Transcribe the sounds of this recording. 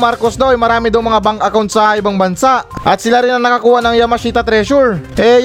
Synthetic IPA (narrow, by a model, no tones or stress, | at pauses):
maɾkosd̪awʔɐjmɐɾaːmɪd̪ɐwmɐŋabaŋkɐkawnt̪sɐʔɪbaŋbɐnsaʔʔɐt̪̚sɪlaɾɪnɐŋnɐkɐkuːhanɐŋjamɐʃiːt̪ɐt̪ɾɛʃoɾʔɛj